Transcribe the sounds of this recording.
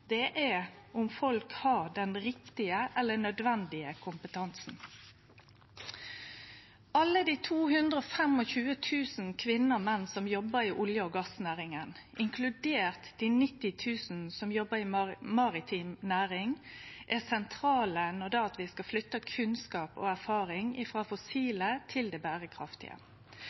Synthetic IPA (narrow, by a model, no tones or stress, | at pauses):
d̪̥ɛʔæ | ʊmfɔlkhɑd̪ɛnɾɪkt̪ɪəʔɛlːəɳœd̪ʋɛnd̪ɪəkʰʊmpət̪ʰɑnsn̩ | ʔɑlːəd̪iːt̪ʰuːhʉnd̪ʁəɔfɛmɔçʉːət̪ʰʉːsn̩kʰʋɪnːəɔmɛnːsɔmjɔbəɾiʔʊljəɔːɡɑsnæːʁɪŋən | ʔɪŋkʰlʉd̪eːʁt̪d̪̥iːnɪt̪ːɪt̪ʰʉːsn̩sɔmjɔbəɾimɑːʁɪt̪ʰiːmnæːʁɪŋʔæsɛnt̪ʰɾɑːlənːɔd̪ɛɑt̪ʋɪskɑflʏt̪ːəkʰʉnskɑːpo̰ːæʁfɑːʁɪŋɪfʁɑːfɔsiːlət̪ʰɪld̪eːbæːʁəkʰʁɑft̪ɪ̰ə̰